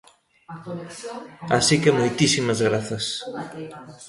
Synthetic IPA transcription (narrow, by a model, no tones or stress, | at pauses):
asikemojt̪isimɐzɣɾaθɐs